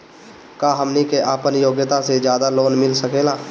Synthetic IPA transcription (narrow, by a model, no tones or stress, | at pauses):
kaːɦəmnikeʔaːpənjoːɡjət̪ased͡ʒjaːd̪aloːnmɪlsəkeːlaː